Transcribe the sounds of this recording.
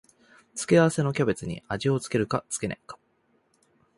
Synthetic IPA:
t͡sɨ̥kʲeaβase̞no̞kʲabe̞t͡sɨɲ̟ḭaʑio̞t͡sɨ̥ke̞ɾɯ̟kat͡sɨ̥ke̞nḛ̃ŋkḁ

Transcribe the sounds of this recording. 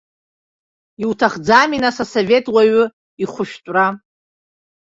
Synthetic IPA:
iwtʰaχd͡zaminasasove̞tʼwaɥʊ | iχʷʊʃᶣtʼra

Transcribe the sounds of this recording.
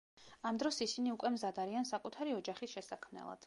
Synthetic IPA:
amd̪ɾɔsisiniukʼwɛmzad̪aɾiansakʼut̪ʰaɾiɔd͡ʒaχisʃɛsakʰmnɛ̰lˠa̰d̪̥

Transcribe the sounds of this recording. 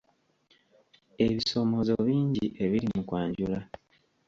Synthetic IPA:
e̞βiso̞mo̞zo̞βiːɲɟiʔe̞βiɾimukwaːɲɟula

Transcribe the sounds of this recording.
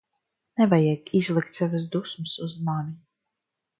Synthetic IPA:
nɛvajɛkizlˠikt̪savɨs̬d̪usmɨsuzmanʲi

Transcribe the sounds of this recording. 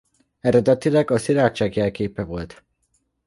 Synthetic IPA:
ɛɾɛd̪ɛt̪ilɛɡɒsiɾaːt͡ʃːaːɡiɛlkeːpɛvo̞lt̪

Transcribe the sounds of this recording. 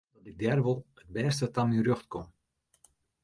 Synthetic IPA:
dɔtɪɡ̚dɛrʋolˠət̚bɛːstətamyrøxtkom

